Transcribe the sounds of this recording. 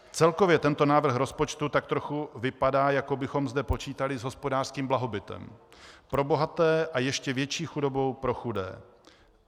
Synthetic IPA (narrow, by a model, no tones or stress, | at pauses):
t͡sɛlko̞vjɛt̪ɛnt̪o̞naːvr̩xɾo̞spot͡ʃt̪ut̪ak̚t̪ɾo̞xuvɪpadaːjakobɪxo̞mzdɛpo̞t͡ʃiːt̪alɪzɦo̞spo̞daːr̥skiːmblaɦo̞bɪt̪ɛ̰mpɾo̞bo̞ɦat̪ɛːʔajɛʃcɛvjɛt͡ʃiːxudo̞bo̞wpɾo̞xudɛ̰ː